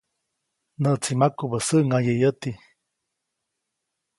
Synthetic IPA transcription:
nəʔt͡simakubəsəʔŋajəjət̪i

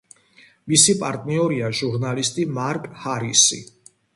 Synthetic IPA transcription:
misipʼaɾt̪ʼniɔɾiaʒuɾnalist̪ʼimaɾkʼhaɾisḭ

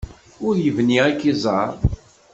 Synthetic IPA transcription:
ʊɾjəvniækːizˤɑɾˤ

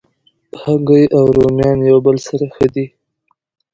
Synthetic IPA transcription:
haɡəjʔawɾomjɑnjawbəlsaɾaxəd̪i

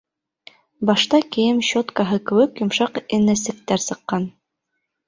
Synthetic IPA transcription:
bɑʃt̪ɑkĭjɘmɕot̪kɑɦɤkɘ̆wɘkjŏmʃɑqɘ̆nːæsɘ̆k̚t̪æɾsɤ̆qːɑn

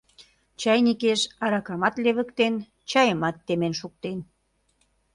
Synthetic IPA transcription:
t͡ɕɑjnikeʃɑɾɑkɑmɑt̪leβə̆kt̪en | t͡ɕɑjəmɑt̪ːemenʃuk̚t̪en

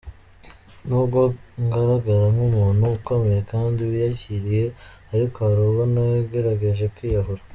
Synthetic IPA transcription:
nuːbɡo̞ŋɡaɾaɡaɾamumuːnhuːko̞me̞jekaːndiwijaciɾije̞ | aɾikoaɾuːβonajeɡe̞ɾaɡe̞ʒe̞kwiːjaɦoɾa

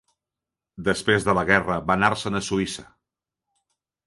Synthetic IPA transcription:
d̪əspɾezðələɣɛrəβanaɾsənəsuisə

